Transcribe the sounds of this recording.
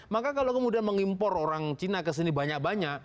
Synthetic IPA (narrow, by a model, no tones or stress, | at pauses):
makakalokəmudianməŋimpɔroɾaŋt͡ʃinakəs̬inibaɲak̚baɲak̚